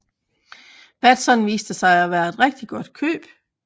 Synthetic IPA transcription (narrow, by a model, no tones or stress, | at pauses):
b̥æd̥sɒ̽nʋiːsd̥əsɑ̈ɪæʋæːɐe̝d̥ʁɛɡ̥̚d̥iɡ̥ɔ̽d̥kʰø̰ːb̥